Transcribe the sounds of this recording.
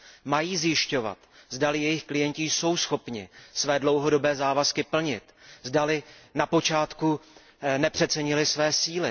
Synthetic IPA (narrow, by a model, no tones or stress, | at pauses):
majiːzjɪʃco̞va̰t̪zdalɪjɛjɪxklɪjɛɲcɪjso̞wsxo̞pɲɪ̰svɛːdlo̞wɦo̞do̞bɛːzaːvaskɪpl̩ɲɪt̪zdalɪnapo̞t͡ʃaːt̪ku | nɛpr̝̥ɛt̪t͡sɛɲɪlɪsvɛːsiːlɪ